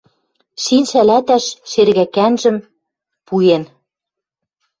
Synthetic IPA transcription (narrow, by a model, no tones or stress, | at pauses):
ʃinʃælæt̪æʃʃerɣækænʒɘ̆m | pujen